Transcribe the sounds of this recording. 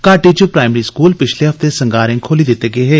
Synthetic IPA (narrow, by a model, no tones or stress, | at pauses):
kaːʈiːd͡ʒoːpɾaːɪmɾiːskuːlpɪt͡ʃʰleːɦəft̪eːsəŋɡaːɾẽːkʰoːliːd̪ɪt̪ːeːɡeːɦeː